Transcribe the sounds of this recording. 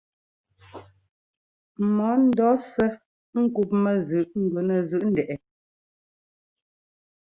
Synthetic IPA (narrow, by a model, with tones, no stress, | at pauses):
mɔ˨˦n̩˦dɔ˨˦sə˦ | ŋ̩˦ku˨p̚mə˨zʉ˨ʔŋ̩˦˨ɡwə˨nə˨zʉ˨ʔn̩˦˨dɛ˨ʔɛ˨